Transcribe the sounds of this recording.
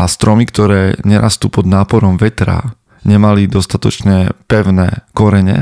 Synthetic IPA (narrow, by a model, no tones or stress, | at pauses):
ast̪ɾɔmikt̪ɔɾɛːɲɛɾa̰st̪uːpɔd̪naːpɔɾɔmʋɛt̪ɾa̰ | ɲɛmalid̪ɔst̪at̪ɔ̰t͡ʃɲɛpɛʊnɛːkɔɾɛɲɛ̰